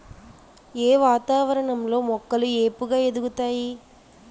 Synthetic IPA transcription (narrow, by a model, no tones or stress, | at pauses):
eːʋaːt̪aːʋɐɾɐɳɐmloːmɔkːɐlɯeːpːɯɣaːɛðɯɣɯt̪ːaːji